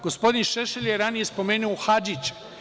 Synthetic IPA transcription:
ɡospo̞d̪inʃeʃelʲjeɾanijespo̞meːnuoxad͡ʒit͡ʃ

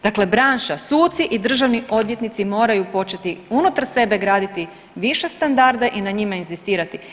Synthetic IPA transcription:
d̪akle̞bɾaːnʃasuːt̪siʔid̪r̩ʒaʋnio̞d̪ʋje̞t̪nit̪simo̞ːɾajupo̞t͡ʃe̞t̪iunut̪aɾse̞be̞ɡɾaːd̪it̪i | ʋiʃe̞st̪and̪aɾd̪aʔinaɲimainzist̪iːɾat̪i

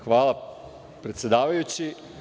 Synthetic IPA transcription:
xʋaːlˠa | pɾet̪sjed̪aːʋajut͡ɕi

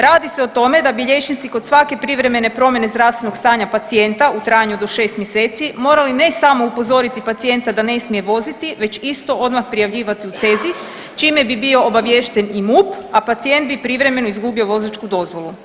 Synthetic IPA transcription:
ɾaːd̪ise̞ot̪o̞me̞d̪abiʎe̞t͡ʃnit̪siko̞d̪sʋake̞pɾiʋɾe̞me̞ne̞pɾo̞mje̞ne̞zd̪ɾaːfst̪ʋeno̞ɡ̥st̪aːɲapat̪sie̞nt̪aut̪ɾaːjɲud̪o̞ʃe̞ːst̪mjeseːt̪simo̞ːɾaline̞samo̞upo̞zo̞ɾit̪ipat̪sije̞nt̪ad̪ane̞smije̞ʋo̞zit̪iʋe̞t͡ʃist̪o̞ʔo̞d̪maxpɾijaʋʎiːʋat̪iut̪se̞ːzi | t͡ʃime̞bibio̞obaʋje̞ʃt̪enimuːpapat̪sije̞nd̪̚bipɾiʋɾe̞me̞noizɡubio̞ʋo̞zat͡ʃkud̪o̞zʋo̞lˠu

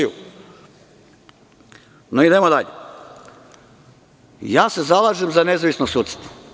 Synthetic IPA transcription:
ṵ | noid̪emod̪aʎe | jaːse̞zalaːʒemzane̞zaʋisnosuːt̪si̥t̪o̥

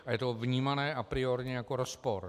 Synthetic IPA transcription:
ʔajɛt̪ovɲiːmanɛːʔapɾɪoɾɲɛjakoɾospoɾ

